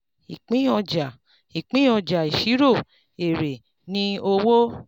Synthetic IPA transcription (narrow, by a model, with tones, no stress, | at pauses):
i˨k͡pĩ˦ɔ˧d͡ʒa˨ | i˨k͡pĩ˦ɔ˧d͡ʒa˨i˨ʃi˨˦ɾo˦˨ | e˨ɾe˨ | nĩ˦o˧wo˦